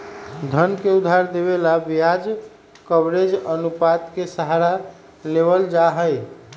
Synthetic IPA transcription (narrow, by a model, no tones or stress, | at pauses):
d̪ʱənkeud̪ʱaɾd̪eβelabijad͡ʒ | kəbɾed͡ʒənupat̪kesəɦaɾa | leβəld͡ʒaɦəj